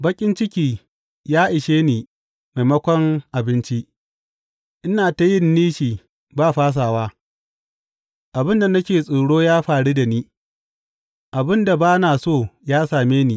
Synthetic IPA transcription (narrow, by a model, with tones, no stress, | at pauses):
bɐ˦kʲʼɪ˦nt͡ʃɪ˦kʲiː˦ | jaː˦ʔɪ˨ʃeː˦niː˨ | ma˨mɐ˦kʷɔ˦ŋʔa˨bɪ˦nt͡ʃi˦ | ʔɪ˦naː˨ta˨jɪ˦nːiː˦ʃiː˨ | baː˦˨ɸaː˦s̬aː˨waː˦ | ʔa˨bɪ˦nda˨nɐ˦kʲeː˨sʼoː˨ɽoː˦jaː˦ɸaː˨ɽi˦da˨niː˦ | ʔa˨bɪ˦nda˨baː˦naː˨soː˦˨jaː˦saː˨meː˦niː˨